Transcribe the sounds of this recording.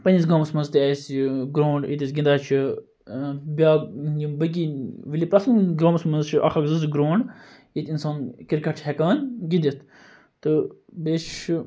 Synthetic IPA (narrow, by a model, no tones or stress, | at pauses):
pɐnʲis̬ɡaːmsmɐnzt̪iɛːsɡɾoːɳɖit̪isɡʲind̪aːt͡ʃʰi | bʲaːibək̬iʋilʲipɾɐsnɡɾoːmɐsmɐnzt͡ʃʰiʔɐ̰kʰɐkzɨzɡɾoːɳɖ | it̪insaːnkiɾkɐʈʰhɛkaːnɡid̪it̪ʰ | t̪ɨ | beːʃ